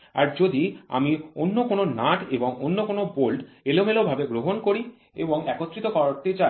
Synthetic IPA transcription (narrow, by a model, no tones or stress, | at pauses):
aɾd͡ʑod̪ia̰mionːokononaʈeboŋonːokonobolɖ | elomelobʱabeɡɾoɦonkoɾi | ḛboŋɛkot̪ːɾit̪okɔɾoɾt̪et͡ɕa